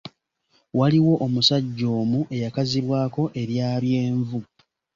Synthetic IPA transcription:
waliwo̞ʔomusaɟːo̞ːmuʔe̞jakaziβwaːko̞ʔe̞ɾjaːβje̞ːɱvu

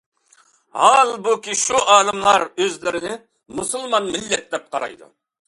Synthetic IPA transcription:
hɑlˠbukʲiʃuʔɑːd̪ɨmlˠɑɾøzlɪɾɪnɪ | musulˠmɑnmɪlːɛt̪̚d̪ɛp̚qʰɑɾɑ̰jd̪ṵ

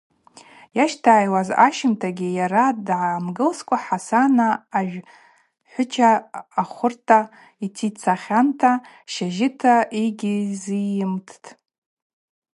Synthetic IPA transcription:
jaʃtʰaːjwaza̰ʃɪmtʰaɡʲɪjaɾadʕamɡɨlskʷʼaħasanaːʒᶣ | ħʷʊt͡ʃʰaːχʷʊrtʰa | itʰit͡sʰaχʲantʰa | ʃaʒɪtʰaiɡʲizijɪmtʰtʰʼ

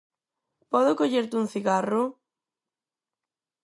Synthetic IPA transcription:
pɔðokoʎeɾt̪uŋθiɣaro

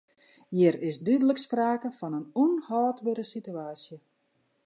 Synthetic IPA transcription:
jɪɾɪsdydələkspraːkəfɔnənunhɔːtbøɾəsityaːsjə

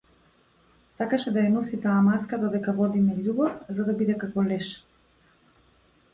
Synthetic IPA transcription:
sakaʃɛd̪ajanɔsit̪aːmaskad̪ɔd̪ɛkavɔd̪imɛʎubɔfzad̪abid̪ɛkakɔlɛʃ

